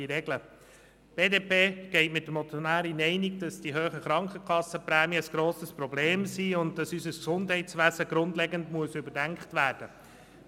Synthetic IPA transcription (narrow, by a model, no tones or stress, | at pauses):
iɾɛɡlə | b̥eːdeːpeːɡ̥ɛɪtmɪt̚dəmɔt͡sjɔnæːɾinɛɪniɡ̚dɑsd̥iɦøːχəχɾɑŋkχəkχɑsːəpɾæːmiəəsɡ̥ɾoːsəspɾɔbleːmsiːʊnt̚tɑsysəsksʊndɦɛɪtt͡sʋæzəɡ̥ɾʊndlɛɡəndmuəsʏbəɾdæŋkχtʋæːɾd̥ə